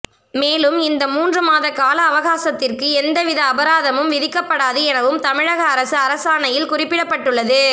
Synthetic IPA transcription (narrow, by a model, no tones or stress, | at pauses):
meːlɯmɪnd̪ɐmuːndrɯmaːðɐkaːlɐːʋɐɣaːsɐt̪ːɪrkɯɛnd̪ɐʋɪðɐːbɐɾaːðɐmɯmʋɪðɪkːɐpːɐɽaːðɯɛnɐʋɯmt̪ɐmɪɻɐɣɐːɾɐsɯɐɾɐsaːnɐjɪlkʊrɪpːɪɽɐpːɐʈːɯɭːɐðɯ